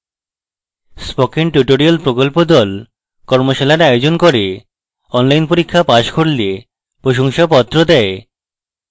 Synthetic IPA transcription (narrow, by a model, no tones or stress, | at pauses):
spɔkinʈuʈoɾialpɾokolpod̪ɔl | kɔɾmoʃalaɾajod͡ʑonkoɾe | ɔnlajnpoɾikʰːapaʃkʰoɽlie | pɾoʃ̬oŋʃapɔt̪ːɾod̪ɛe